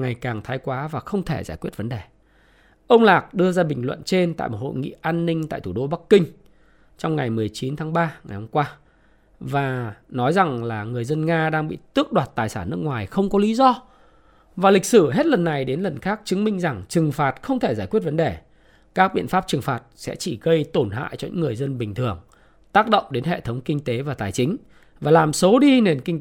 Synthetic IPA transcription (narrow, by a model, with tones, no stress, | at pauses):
ŋa˨˩jkaː˨˩ŋt̪ʰaː˨˦jkwaː˨˦vaː˨˩xə˧wŋ͡mt̪ʰe˧˩zaː˧˩jkwət̚və˨˦nɗe˨˩ | ʔə˧wŋ͡mlaː˨˩k̚ɗɨ˧əzaː˧ɓï˨˩ŋ̟lwə̰˧˨nt͡ɕe˧nt̪a̰ː˧˨jmo˨˩ho̰˧˨jŋḭ˧˨ʔaː˧nːï˧ŋ̟t̪a̰ː˧˨jt̪ʰu˧˩ɗo˧ɓa˦˥kːï˧ŋ̟ | t͡ɕɔ˧wŋ͡mŋa˨˩jmɨ˨˩əjt͡ɕi˨˦nt̪ʰaː˨˦ŋɓaː˧ŋa˨˩jhə˧mŋ͡mkwaː˧ | vaː˨˩nɔ˨˦jza˨˩ŋlaː˨˩ŋɨ˨˩əjzə˧nŋaː˧ɗaː˧ŋɓḭ˧˨t̪ɨ˦˥ək̚ɗwaː˨˩t̚t̪aː˨˩jsaː˧˩nːɨ˦˥əkŋwaː˨˩jxə˧wŋ͡mkɔ˨˦li˨˦zɔ˧ | vaː˨˩li˨˩k̚sɨ˧˩ɦe˦˥t̚lə˨˩nːa˨˩jɗe˨˦nlə˨˩nxaː˦˥k̚t͡ɕɨ˨˦ŋmï˧ŋ̟za˨˩ŋt͡ɕɨ˨˩ŋfaː˨˩t̚xə˧wŋ͡mt̪ʰe˧˩zaː˧˩jkwi˦˥t̚və˨˦nɗe˨˩ | kaː˦˥k̚ɓḭ˧˨ənfaː˦˥p̚t͡ɕɨ˨˩ŋfaː˨˩t̚sɛ̰˧˥t͡ɕi˧˩ɣə˧jt̪o˧˩nɦa̰ː˧˨jt͡ɕɔ˧ɲɨ̰˧˥ŋːɨ˨˩əjzə˧nɓï˨˩ŋ̟t̪ʰɨ˨˩əŋ | t̪aː˦˥k̚ɗə̰˧˨wŋ͡mɗe˨˦nɦḛ˧˨t̪ʰə˨˦wŋ͡mkï˧ŋ̟t̪e˨˦vaː˨˩t̪aː˨˩jt͡ɕï˨˦ŋ̟ | vaː˨˩laː˨˩mso˨˦ɗi˧ne˨˩nki˧ŋ̟